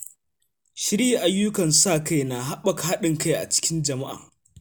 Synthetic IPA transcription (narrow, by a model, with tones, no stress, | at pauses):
ʃɪ˦ɾi˦ʔa˨jːʊ˦kɐ˨nsaː˦˨ka˦jna˨ɦa˦ɓɐ˦kha˦ɗɪ˨ŋka˦˨jʔa̰˨t͡ʃɪ̥˦kʲɪ˦nd͡ʒɐ˨ma˦ʔa̰ː˨